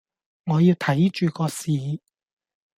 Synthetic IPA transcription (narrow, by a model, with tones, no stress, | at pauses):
ŋɔː˨˧jiː˧wt̪ʰɐ˨˥jt͡ʃyː˨kɔː˧siː˨